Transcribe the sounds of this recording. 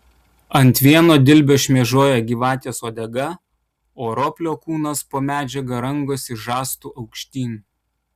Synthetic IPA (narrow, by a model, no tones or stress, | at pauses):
ɐnʲˑt̪ʲʋʲiɛnoːd̪ʲɪlʲbʲoːʃʲmʲɛʒoɔjɛɡʲiːʋɑːt̪ʲeːsoːd̪ʲɛɡɐ | oːɾoːpʲlʲoːkuːnɐspoːmʲæːd͡ʒʲɛɡɐɾɐŋɡoːsɪʒɑːst̪uːʔɐʊkʃʲt̪ʲiːnʲ